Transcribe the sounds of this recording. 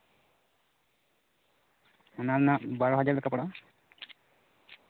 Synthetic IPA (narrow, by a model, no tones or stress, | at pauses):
ɔnanabaɹɔɦad͡ʒaɹlɛkapɔɽa